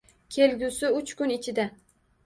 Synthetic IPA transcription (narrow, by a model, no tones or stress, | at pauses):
kʲʰe̞lɡʲʊsɪʊt͡ʃkʊnɪt͡ʃʰɪd̪a